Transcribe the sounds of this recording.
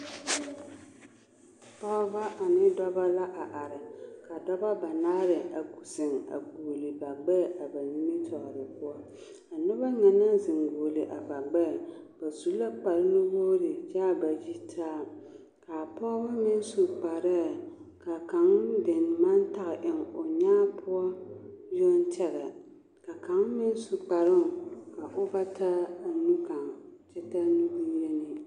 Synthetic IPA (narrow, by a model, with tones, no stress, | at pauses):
pɔ˦ʔʊ˦ba˦ʔa˨nɪ˦dɔ˦ba˦la˦ʔa˨ʔa˨ɾɪ˨ka˨dɔ˦ba˦ba˨naː˦ɾɪ˨a˨ɡu˨sɪ˨ŋa̰˨ɡuː˨lɨ˨ba˨ɡ͡bɛ˦˨ʔa˨ba˨ni˦mi˦tʰɔ˨ʔɾɨ˨pʊ˦ɔ˦ | a˨nʊ˦ba˦ŋɛ˨na˦zɪ˨ŋɡoː˨lɨ˨ʔa˨ba˨ɡ͡bɛ˦˨ | b̥a˨zu˦la˦k͡pa˨lno˦boː˦ɾɪ˨d͡ʒaː˦ba˨ji˦tʰaː˦ | ka˨pɔ˦ba˦mɪ˦n˦su˨k͡pa˨ɾa˦ | ka˨ka˨˦ŋdɪ˨nma˦n˦ta˦ɣɪ˨ʔɪ˨ŋo˨ɲaː˦pʰʊ˦a˦jo˦n˦t͡ʃɛ˦ɣa˨ | ka˨ka˨˦ŋmɪ˦n˦su˨k͡pa˨ɾɨ˦ŋ˨ka˨ʔo˦ba˦ta˦˨nu˦ka˨ŋ˨t͡ʃɛ˦ta˦nu˦bu˦jɛ˦nɨ˨